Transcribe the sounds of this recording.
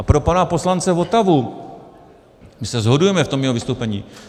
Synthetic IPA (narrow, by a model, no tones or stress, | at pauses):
apɾo̞panapo̞slant͡sɛvo̞t̪avu | mɪsɛzɦo̞dujɛmɛft̪omjɛovɪst̪owpɛɲḭː